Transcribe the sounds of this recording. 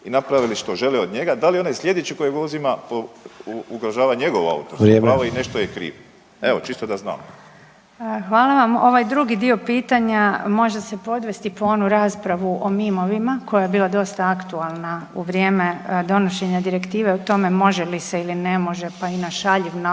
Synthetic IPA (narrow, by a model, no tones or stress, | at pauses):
inapɾaʋiliʃt̪o̞ʒe̞leod̪ɲe̞ɡad̪alioneslʲʎe̞d̪et͡ʃeko̞jeɡouzimapo | uɡɾaʒaːʋaɲe̞ɡo̞ʋa̰ṵt̪oɾɾeaoine̞ʃt̪ojekɾḭːʋ | eʋot͡ʃist̪od̪azna̰ːm | xʋaːlˠaʋamo̞ʋajd̪ɾuɡid̪io̞piːt̪aɲamo̞ʒese̞po̞d̪ʋe̞st̪ipoonuɾaːspɾaʋuʔo̞mimo̞ʋimako̞jajebiːlˠad̪o̞st̪aakt̪ualˠnauʋɾjeːme̞d̪o̞no̞ʃe̞ɲad̪iɾe̞kt̪iːʋe̞ut̪o̞me̞mo̞ʒe̞lise̞iline̞mo̞ʒe̞painaʃaʎiʋna